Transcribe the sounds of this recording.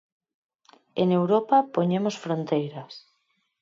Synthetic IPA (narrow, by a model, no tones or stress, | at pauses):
eŋewɾopapoɲemosfɾont̪ejɾas